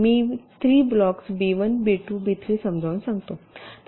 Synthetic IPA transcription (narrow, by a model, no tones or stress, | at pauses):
miːt̪ʰɾiːblɔksbeʋənbeʈuːbit̪ʰɾisəmd͡zʱaʋnsãŋɡt̪ot̪